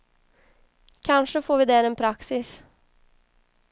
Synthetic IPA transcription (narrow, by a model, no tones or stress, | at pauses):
kʰɑnʂəfoːɾʋɪːd̪ɛːɾɛːnpʰɾɑksɪs